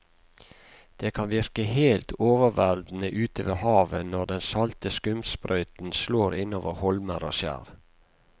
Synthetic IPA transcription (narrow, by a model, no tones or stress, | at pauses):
d̪̥eːkʰɑnʋɪɾkəheːlt̪ʰoːʋəʋæld̪n̩əʔʉːt̪ʰəʋehɑːʋənɔɖɛnsɑlt̪əskʉmspɾʔœʏt̪n̩sloːɾɪnoːʋəhɔlməɾo̰ːsjæ̰ːɾ